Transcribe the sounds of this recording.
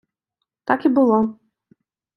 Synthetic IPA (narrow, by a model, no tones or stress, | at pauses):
t̪akibɨlˠɔ